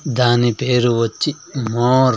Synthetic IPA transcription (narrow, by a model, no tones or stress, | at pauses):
d̪aːnipeːɾuʋot͡ʃːi | moːɾ